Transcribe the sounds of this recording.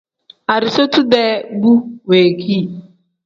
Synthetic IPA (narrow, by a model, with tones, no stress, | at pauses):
a˨ɾi˨so˦tu˦dɛ˦ɡ͡bu˦we˨kʰi˦˨